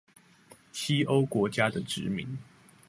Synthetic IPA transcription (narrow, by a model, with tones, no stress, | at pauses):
t͡ɕʰi˦o˦ʊkwɔ˧˥t͡ɕja˦d̪ə˨ʈ͡ʂɻ̩˨˧˦mḭ˨˦ŋ